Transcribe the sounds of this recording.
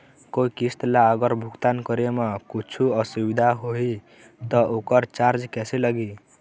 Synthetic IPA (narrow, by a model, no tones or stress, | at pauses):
koikist̪laəɡəɾbʱukt̪ankəɾemekut͡ʃʰuəsubid̪ʱaɦoi | t̪ɔokəɾt͡ʃaɾd͡ʒkɛseləɡi